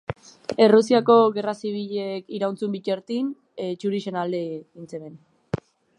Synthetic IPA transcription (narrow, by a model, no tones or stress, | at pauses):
e̞rusiako̞ɣe̞rasiβ̞iʎekiɾawnt͡sumbiceɾt̪in | t͡ʃuɾiʃe̞nald̪eint͡seɾen